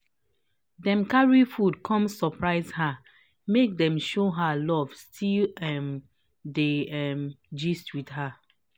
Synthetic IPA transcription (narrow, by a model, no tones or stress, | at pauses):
dɛ̃mkaɹifud̚kʰɔ̃msɔpɹaɪzha | mek̚dɛ̃mʃoɦalɔv̥stʰilɛm | deɛmd͡ʒistwidha